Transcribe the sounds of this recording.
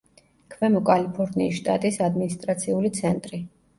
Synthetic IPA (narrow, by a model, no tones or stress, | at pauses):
kʰvɛmɔkʼalipʰɔɾniːsʃt̪ʼa̰t̪ʼisad̪minist̪ʼɾat̪sʰiulit̪sʰɛnt̪ʼɾi